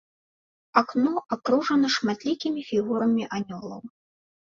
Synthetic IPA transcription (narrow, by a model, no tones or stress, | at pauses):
aknɔakɾuʐɐnɐʂmat̪lʲikʲimʲifʲiɣuɾɐmʲiʔanʲɔlˠɐ̰w